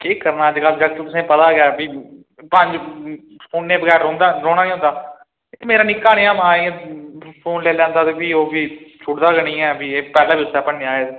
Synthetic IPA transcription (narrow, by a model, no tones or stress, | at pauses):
keːkəɾnaːd͡ʒɡasd͡ʒəkt̪t̪ʊsẽːpət̪aːɡjaːbiː | pə̃ɲd͡ʒ | pʰoːnːẽːbəɡɛːɾõːnd̪aːɾoːɽ̃ãːnĩːʊ̃ːnd̪aː | emeːɾaːnɪkːaːɽeːaːmãːĩ | pʰoːnleːlɛ̃ːnd̪aːt̪eːbiːoːbiːt͡ʃʰʊɽd̪aːɡənĩːɛːbiːeːpɛːlãːbiːsɛːpəɳːeːaːeː